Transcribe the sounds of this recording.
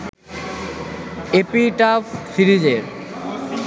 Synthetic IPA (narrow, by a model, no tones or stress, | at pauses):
epiʈafsiɾid͡ʑeɾ